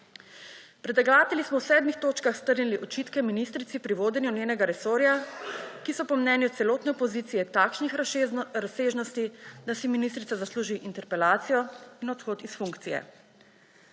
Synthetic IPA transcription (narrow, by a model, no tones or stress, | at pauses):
pɾɛt̪ɛɡaːt̪ɛlismɔwsɛːd̪mixt̪oːt͡ʃkaxst̪əɾniliʔɔt͡ʃit̪kɛminist̪ɾit̪sipɾiʋoːd̪ɛnjunjeːnɛɡaɾɛsoːɾjakisɔpɔmnɛːnjut̪sɛloːt̪nɛɔpɔziːt̪sijɛt̪aːkʃnixɾaseːʒnɔst̪id̪asiminist̪ɾit̪sazasluːʒiʔint̪ɛɾpɛlaːt̪sijɔinɔt̪xoːt̪isfuŋkt̪sijɛ̰